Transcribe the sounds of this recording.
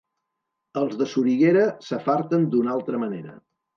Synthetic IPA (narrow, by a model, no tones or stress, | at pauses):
əlˠzðəsuɾiɣeɾəsəfaɾt̪ənd̪unalˠt̪ɾəməneɾə̰